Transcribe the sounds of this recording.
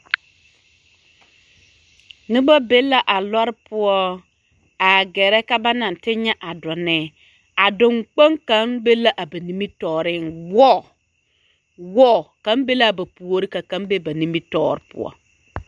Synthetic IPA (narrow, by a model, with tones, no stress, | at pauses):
nɪ˦ba˦be˦lːa˦ʔa˨lɔ˦ɾpʊ˦ɔ˦ | a˨ɡɛ˨ɾɛ˦ka˦ba˦na˨n˨tɪ˦ɲa˦ʔa˨dɔ˨nɛː˨ | a˨dʊ˨ŋk͡pa˦ŋka˨˦nbe˦la˦ʔa˨ba˨ni˦mi˦tɔː˨ɾɪ˦nwɔ˦˨ | wɔ˦˨ka˦mbe˦la˦˨ba˨pu˨o˨ɾi˦ka˨ka˨˦mbe˦ba˨ni˦mi˦tɔ̰ː˦˨ɾɪ˨˦pʊ̰˦ɔ̰˦